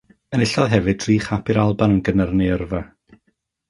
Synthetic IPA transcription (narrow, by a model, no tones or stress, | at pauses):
ənɪɬɔðˠɦɛvɨdr̥iːχapʰɪɾalˠbanənɡənərneərva